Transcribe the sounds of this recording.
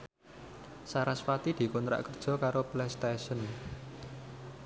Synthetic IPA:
saɾasfat̪id̪̥i̤kɔnt̪ɾa̰ʔkərd̥ʒ̥ɔ̤kaɾoplɛst̪esən

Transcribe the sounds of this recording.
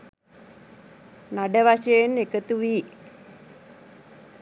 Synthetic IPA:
naɖəʋaʃejenːekət̪uʋiː

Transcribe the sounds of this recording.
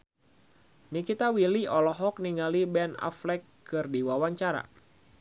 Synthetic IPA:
nikit̪awiliʔɔlɔɦɔk̚niŋalibɛna̰flɛkː | ɨrdiwawaɲt͡ʃaɾa̰

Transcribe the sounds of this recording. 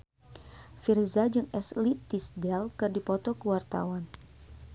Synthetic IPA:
firzad͡ʒɨŋɛslitːisdɛlkɨrdipɔt̪ɔkəwart̪a̰wan

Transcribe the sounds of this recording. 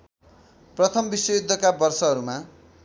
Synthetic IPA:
prʌt̪ʰʌmbisjʌjud̪ʱːʌkabʌrsʌɦʌɾuma

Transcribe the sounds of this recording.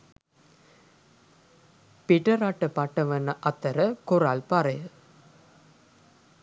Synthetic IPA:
piʈɐɾaʈːəpaʈːɐʋɐnːɐʔɐt̪ɐɾɐkoɾalpaɾɐjə

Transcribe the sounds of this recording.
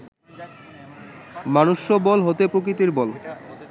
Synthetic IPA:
manuʃːobɔlɦot̪epɾok̬ɾit̪iɾbɔl

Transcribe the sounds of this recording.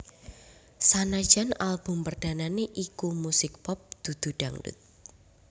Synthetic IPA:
sanḁʒ̥a̤nalb̥ʊ̤mpərd̪̥a̤naneʔikumusɪk̚pɔp̚d̪̥ṳd̪̥ṳɖ̥a̤ŋdṵt̪̚

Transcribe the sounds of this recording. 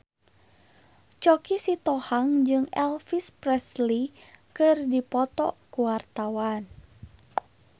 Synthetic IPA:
t͡ʃɔkisit̪ɔhaŋd͡ʒɨŋɛlfispɾɛslikɨrdipɔt̪ɔ̰kuwart̪awan

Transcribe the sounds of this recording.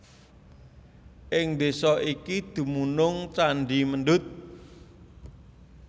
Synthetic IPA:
ʔɪŋd̪esɔʔikid̪̥ṳmunʊŋt͡ʃaɳɖiməɳɖʊt̪̚

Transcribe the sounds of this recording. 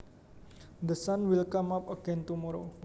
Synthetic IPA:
d̪əsãnwilkãmapəɡɛ̃nt̪umɔɾo

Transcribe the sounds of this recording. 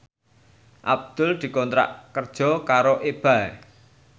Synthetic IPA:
ʔab̚d̪̥ʊ̤ld̪̥i̤kɔnt̪ɾa̰ʔkərd̥ʒ̥ɔ̤kaɾoʔeb̥aɛ

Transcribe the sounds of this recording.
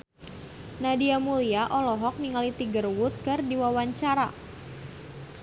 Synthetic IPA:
nadiamuliaʔɔlɔɦɔk̚niŋalit̪iɡərwʊt̪̚kɨrdiwawaɲt͡ʃaɾa̰

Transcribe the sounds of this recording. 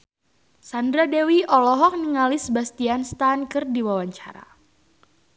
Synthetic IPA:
sandɾadewiʔɔlɔɦɔk̚niŋalɪsbast̪ianst̪ankɨrdiwawaɲt͡ʃa̰ɾa̰

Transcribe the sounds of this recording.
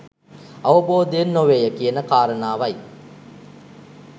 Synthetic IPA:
ɐʋəboːd̪eenːoʋeːjəkijənəkaːɾənaːʋɐj

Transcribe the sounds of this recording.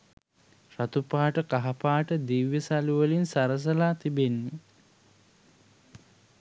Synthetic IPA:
rat̪upaːʈəkaɦapaːʈəd̪iʋjəsaluʋəlinsaɾəs̬əlaːt̪ibenːi

